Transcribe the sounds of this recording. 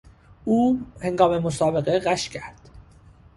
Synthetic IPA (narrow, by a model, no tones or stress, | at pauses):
uːhe̞ŋɡɒːme̞mosɒːbe̞ɣe̞ɢæʃcʰæɾd̪̥